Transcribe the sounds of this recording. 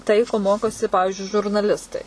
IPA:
ˈtɐɪ koː ˈmoːkoːsʲɪ ˈpɑːʋʲɪʒʲʊɪ ʒʊrnɐˈlʲɪstɐɪ

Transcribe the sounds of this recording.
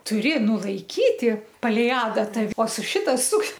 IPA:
tʊˈrʲɪ nʊlˠɐɪˈkʲiːtʲɪ pɐˈlʲɛɪ ˈɑːdɐtɐ oː sʊ ˈʃʲɪtɐ sʊk

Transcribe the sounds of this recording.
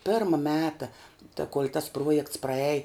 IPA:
ˈpʲɪrmɐ ˈmʲæːtɐ tɐ koːlʲ tɐs ˈpruɔjɛkts prɐˈɛj

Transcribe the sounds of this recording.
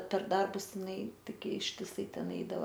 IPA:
pʲɛr ˈdɐrbʊs jɪˈnɐɪ ˈtʲɪɡʲɪ ɪʃʲtʲɪˈsɐɪ ˈtʲɛn ˈɛɪdɐʋɐ

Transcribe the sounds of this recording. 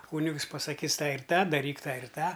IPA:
ˈkuːnʲɪks pɐsɐˈkʲiːs ˈtɑː ɪr ˈtɑː dɐˈrʲiːk ˈtɑː ɪr ˈtɑː

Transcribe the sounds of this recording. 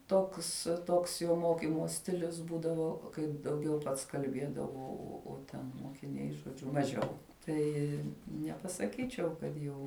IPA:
ˈtoːks ˈtoːks joː ˈmoːkʲɪmoː ˈsʲtʲɪlʲʊs ˈbuːdɐʋoː kɐɪp dɐʊˈɡʲɛʊ ˈpɐts kɐlʲˈbʲeːdɐʋoː ˈoː oː ˈtʲɛn moːkʲɪˈnʲɛɪ ʒoːˈd͡ʒʲʊ mɐˈʒʲɛʊ ˈtɐɪ nʲɛpɐsɐˈkʲiːt͡ʃʲɛʊ kɐt ˈjɛʊ

